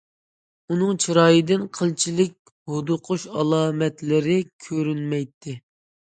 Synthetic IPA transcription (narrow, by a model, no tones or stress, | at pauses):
unɨŋt͡ʃʰiɾɑːjɨd̪ɪnqʰəlˠt͡ʃʰilɪk̚ʲ | hod̪ʊqʰʊʃɑlˠɑːmɛt̪lɪɾɪkʲʰøɾynmɛjt̪ʰːɪ